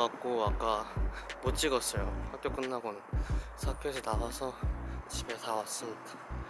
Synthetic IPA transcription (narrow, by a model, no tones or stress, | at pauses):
ak̚k͈oak͈amot͡ɕ͈iɡʌs͈ʌjoɸak͈jok͈ɯnːaɡonɯnsʰakʰesʰʌnawasʰʌt͡ɕibe̞sʰawas͈ɯmidḁ